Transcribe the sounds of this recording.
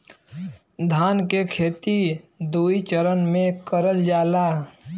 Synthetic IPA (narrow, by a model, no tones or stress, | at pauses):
d̪ʱaːnkekʰeːt̪id̪uit͡ʃəɾənmẽkəɾəld͡ʒaːla